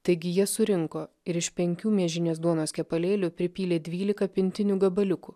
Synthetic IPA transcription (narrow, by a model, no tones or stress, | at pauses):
t̪ɐɪɡʲɪjiɛsʊɾʲɪŋkoː | ɪɾɪʃpʲɛŋʲkʲuːmʲiɛʒʲɪnʲeːsd̪uɔnoːskʲɛpɐlʲeːlʲʊpʲɾʲɪpʲiːlʲeːd̪ʲʋʲiːlʲɪkɐpʲɪnʲt̪ʲɪnʲuːɡɐbɐlʲʊkuː